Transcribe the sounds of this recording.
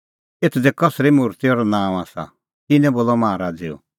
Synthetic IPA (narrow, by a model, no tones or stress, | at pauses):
et̪ʰd͡zɛkɔsɾimʊɾt̪iɔɾɔnãːaːsa̰ | t̪ɪnɛ̃boːlɔmãːɾad͡zɪ̰ːɔ̰